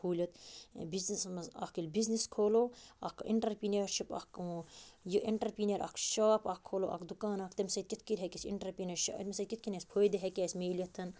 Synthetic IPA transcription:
pʰuːlʲɐt̪biznismɐza̰kilʲbizniskʰoːloːɐkḭɳʈɐɾpineɾʃipa̰ːkː | joʔiɳʈɐɾpiːnʲɐɾʔa̰ːkʰʃaːpaːkʰːoːloːʔɐ̰kd̪ukaːnakt̪ɐmsɐt̪̚kit̪ʰkiɾʲɦekʲisḭɳʈɐɾpinɐɾʃmʲsɐd̪kʲit̪̚ʰkinʲesʲpʰoːjd̪eɦekʲeːsʲmeːlʲɐt̪ʰːɐn

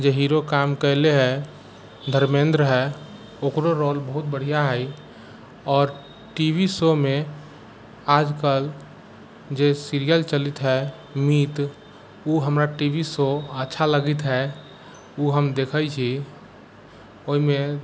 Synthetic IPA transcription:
d͡ʒeɦiːɾokaːmkɛɦleɦɛ | d̪ʱəɾmẽːnd̪ɾəɦɛ | oːkɾoɾoːlbəɦʊt̪̚bəɽ̤ijaɦɛi | ɔːɾ | ʈibisomẽ | aːd͡ʒkəl | d͡ʒesiɾijəlt͡ʃəlit̪ɦɛ | miːt̪ | uɦəmɾaʈibisoətːʃʰaləɡit̪ɦɛ | uɦəmd̪eːkʰət͡ʃʰi | oɦimẽ

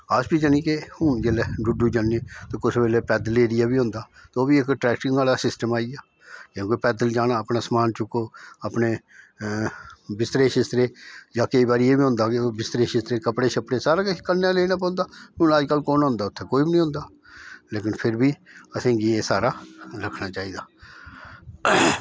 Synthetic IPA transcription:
əsbiːd͡ʒənĩːkehʊːnd͡ʒeːleɖʊɖuːd͡ʒaːniːt̪oːkʊsbeːleːpɛːd̪əleːɾɪjaːbiːɦʊ̃ːnd̪aːt̪oːbiːɪkʈɾɛːkʈɪŋaːlaːsɪsʈəmaːiaː | d͡ʒə̃ːkepɛːd̪əld͡ʒaːnaːəpnaːsəmaːnt͡ʃʊkoːəpneː | bɪst̪ɾeːʃɪst̪ɾeːd͡ʒaːkəiːbaːɾijeːbiːɦʊ̃nd̪aːkeoːbɪst̪ɾeːʃɪst̪ɾeːkəpɽeːʃəpɽeːsaːɾaːkɪkənːãːleːnãːp̬ɔ̃ːnd̪aːmʊ̃ːnaːd͡ʒkəlːkoːnɦʊ̃nd̪aːʊt̪ʰːeːkoːibɪnĩːɦʊ̃nd̪aː | leːkɪnpʰɪɾbiːəsẽːɡieːsaːɾaːɾəkʰnaːt͡ʃaːiːd̪aː

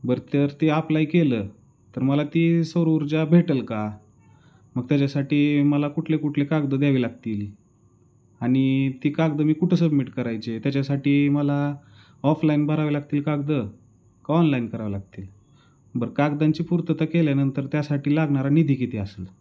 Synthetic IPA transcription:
bəɾt̪əɾt̪eaplaikelə | t̪əɾməlat̪isəɾəuɾd͡ʑabʱeʈəlka | məɡ̚t̪jat͡ɕasaʈiːməlakuʈʰlekuʈʰlekaɡd̪əd̪jaʋilaɡt̪iːl | aɽ̃it̪ikaɡd̪əmiːkuʈʰəsəbmiʈkəɾajt͡ɕet̪jat͡ɕasaʈiːməla | ɔflainbʱəɾaʋəlaɡt̪iːlkaɡd̪ə | kɔnlainkəɾaʋəlaɡ̚t̪iːl | bəɾkaɡd̪aɲt͡ɕiːpuɾt̪ət̪akeljanənt̪əɾt̪jasaʈiːlaɡɳaɾanid̪ʱikit̪ʰeasəl

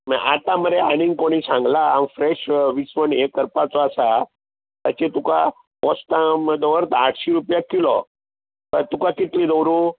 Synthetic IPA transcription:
maʔat̪ãməɾeaɽ̃ĩŋɡkoɽ̃isãŋɡlaːmfɾeɕʋisʋənekːəɾpat͡sɔasa | t̪at͡ɕet̪uka | pɔst̪aməd̪ʱːʋəɾt̪aʈʰɕiɾupjakilɔ | t̪ət̪ukakit̪lĩd̪əwɾũ

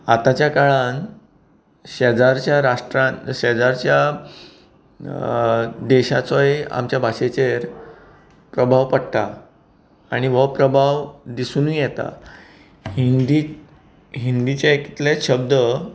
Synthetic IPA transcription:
at̪at͡ɕjakaɭan | ɕed͡zaɾt͡ɕjaɾaʂʈɾaɕed͡zaɾt͡ɕja | d̪eɕat͡sɔea̰mt͡ɕjabʱaɕet͡ɕeɾ | pɾəbʱaʋpəɽt̪aː | ɽ̃iʋəpɾəbʱaʋd̪isunujɛt̪a̰ | ind̪i | ɦind̪it͡ɕaeki̥t̪laɕəb̚d̪ə

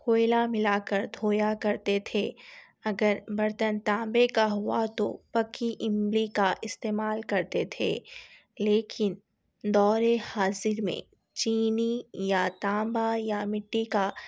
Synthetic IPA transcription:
koːɪlamɪlaːkəɾd̪ʱoːjakɐɾt̪et̪ʰe | ɐɡəɾbɐɾt̪ənt̪ãːmbekaɦʊat̪o̰pɐkiʔɪ̃mlikaʔɪst̪eːmaːlkɐɾt̪et̪ʰḛː | leːkɪn | d̪ɔːɾehaːzɪɾmḛ̃ | t͡ʃiːnijat̪ãːmbajamɪʈːika

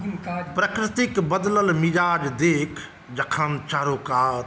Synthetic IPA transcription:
pɾɐkɾɪt̪ɪkbɐd̪ləlmɪzaːd͡ʒd̪eːkʰ | d͡ʒɐkʰant͡ʃaːɾoːkaː

